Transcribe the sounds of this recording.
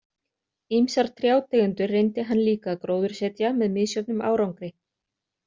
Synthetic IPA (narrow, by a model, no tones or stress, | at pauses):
imsaɾ̥t̪ʰɾjaːwt̪ɛɣʏnt̪ʏrejnt̪ɪɦanːliːkakɾoːwðʏɾ̥sɛt̪jamɛðmɪðsjœt̪nʏma̰ːwɾawŋkɾɪ